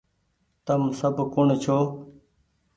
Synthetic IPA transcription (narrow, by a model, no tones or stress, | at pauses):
t̪əmsəbkʊɳt͡ɕʰoː